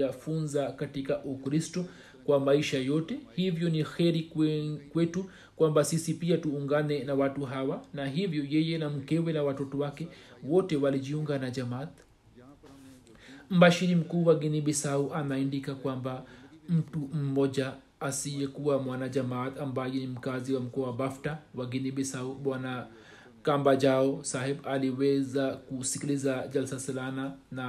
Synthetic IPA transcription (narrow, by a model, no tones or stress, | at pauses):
afunzakatikaʔukɾistɔ | kwamaiʃajɔtɛhivjɔnixɛɾikwɛtu | kwambasisipiatuːŋɡanɛnawatuɦawanaɦivjɔjɛjɛnam̩kɛwɛnawatɔtɔwakɛwɔtɛwaliʄiuŋɡanad͡ʒamat̪ | m̩baʃiɾim̩kuːwaɡiniɓɛsauʔanaindikakwambam̩tum̩mɔʄaː | sijɛkuamwanad͡ʒamat̪ambajɛnim̩kaziwam̩kɔwabaftawaɡiniɓɛsauɓwana | kambad͡ʒaɔsahɛbaliwɛzakusikilizad͡ʒalsasalanana